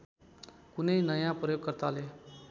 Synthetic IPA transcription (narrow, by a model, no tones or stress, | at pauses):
kʊneinəjãpɾəjoːɡ̚kəɾt̪ale